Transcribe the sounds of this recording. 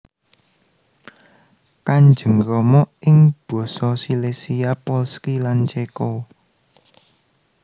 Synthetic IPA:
kaɲd͡ʒə̤ŋɾɔmɔʔʔɪŋb̥ɔ̤sɔsilesijapɔlskilant͡ʃekɔ

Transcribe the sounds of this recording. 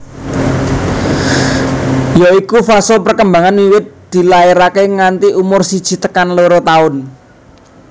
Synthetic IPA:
joikufasopərkəmbaŋanwiwɪt̪̚d̪̥i̤laeɾakeŋant̪iumʊrsid̥ʒ̥i̤t̪əkanloɾot̪aʊn

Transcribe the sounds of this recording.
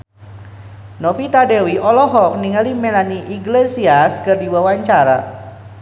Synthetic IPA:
nɔfit̪adewiʔɔlɔɦɔk̚niŋalimelaniʔiɡlesiaskərdiwawaɲt͡ʃaɾa

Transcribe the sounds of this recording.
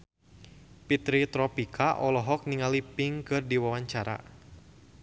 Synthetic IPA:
pit̪ɾit̪ɾɔpikʰaʔɔlɔɦɔk̚niŋalipɪŋkɨrdiwawaɲt͡ʃaɾa̰

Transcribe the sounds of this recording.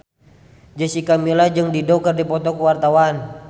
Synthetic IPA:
d͡ʒəsikamilad͡ʒɨŋdidɔkərdipɔt̪ɔkuwart̪awan

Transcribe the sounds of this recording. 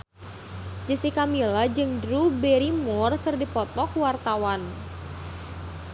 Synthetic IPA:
d͡ʒəsikamilad͡ʒɨŋdɾubɛɾimɔrkɨrdipɔt̪ɔkwart̪awan

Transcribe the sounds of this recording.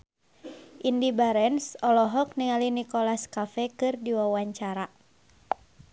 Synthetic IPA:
ʔindibaɾɛnsɔlɔɦɔk̚niŋalinikɔlaskafɛkɨrdiwawaɲt͡ʃaɾa

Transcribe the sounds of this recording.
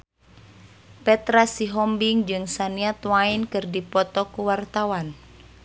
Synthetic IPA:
pɛt̪ɾasiɦɔmbiŋd͡ʒɨŋsaniat̪wainkɨrdipɔt̪ɔkuwart̪awan

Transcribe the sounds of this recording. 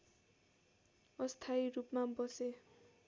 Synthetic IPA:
ʌst̪ʰajrupmabʌse

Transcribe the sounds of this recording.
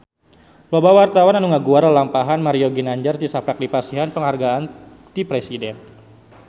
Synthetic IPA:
labawart̪awananuŋaɡuarəlampaɦanmaɾioɡinaɲd͡ʒart̪isapak̚dipasiɦanpəŋɦarɡaan | d̪ipɾesidɛn

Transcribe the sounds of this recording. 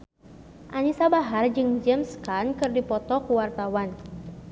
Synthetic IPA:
ʔanisabaɦard͡ʒɨŋd͡ʒɛmskankɨrdipɔt̪ɔkuwart̪awan

